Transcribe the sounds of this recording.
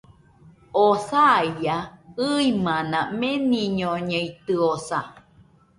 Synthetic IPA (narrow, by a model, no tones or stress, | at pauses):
osaijaɨimãnãmẽnĩɲõɲẽit̪ɨosa